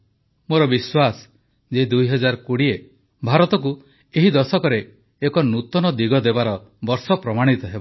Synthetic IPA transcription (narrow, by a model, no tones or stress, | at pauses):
moɾɔbiswasɔ̥ | d͡ʒed̪ujɦɔd͡ʒaɾɔkuɽie | bʱaɾɔt̪ɔk̬u | eɦid̪ɔsɔkɔɾeː | kɔnut̪ɔnɔd̪iɡɔd̪ebaɾɔbɔɾsɔpɾɔmaɽ̃it̪ɔɦebɔ